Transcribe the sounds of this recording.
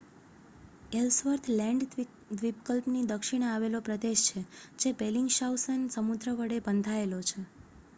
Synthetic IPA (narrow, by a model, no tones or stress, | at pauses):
elsʋəɾt̪ʰlɛ̃ɳɖ | d̪ʋip̚kəlpnid̪əkʃiɳ̃aʋelopɾəd̪eʃt͡ʃʰed͡ʒebeliŋɡʃawsənsəmud̪ɾəʋəɽebənd̪ʱaelot͡ʃʰe